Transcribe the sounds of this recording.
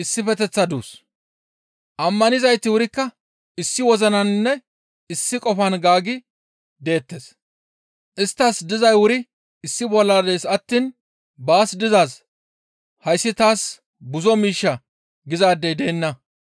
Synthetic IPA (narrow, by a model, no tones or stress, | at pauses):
ʔɪsːɪfɛt̪ɛt͡sːɐd̪ṵːs | ʔɐmːɐnɪzɐjt̪ːɪwʊɾɪkːɐ | ɪsːɪwɔzɐnɐnnːɛ | ɪsːɪkʼɔfɐnɡaːɡɪ | d̪e̞ːt̪ːe̞ːs | ʔɪst̪ːasd̪ɪzɐjwʊɾɪ | ɪsːɪbɔlːaːd̪ejsɐt̪ːiːn | baːsd̪ɪzaːs | hɐjsːɪt̪aːs | bʊzɔmiːʃːɐ | ɡɪzaːd̪ːɛjd̪e̞ːnːɐ